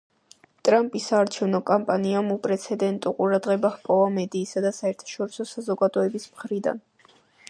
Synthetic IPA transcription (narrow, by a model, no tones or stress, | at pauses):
t̪ʼɾampʼisaːɾt͡ʃʰɛvnɔkʼampʼaniamupʼɾɛt̪sʰɛd̪ɛnt̪ʼuqʼuɾad̪ʁɛbahpʼɔvamɛd̪iːsad̪asaɛɾt̪ʰḁʃɔɾisɔsazɔɡad̪ɔɛbismχɾid̪a̰n